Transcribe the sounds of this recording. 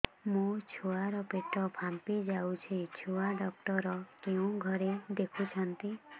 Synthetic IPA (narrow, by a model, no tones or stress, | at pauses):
mũt͡ʃʰuaɾɔpeʈɔpʰãmpid͡ʒawt͡ʃʰit͡ʃʰuaɖɔk̚ʈɔɾɔkeũɡʱɔɾed̪ekʰut͡ʃʰɔnt̪i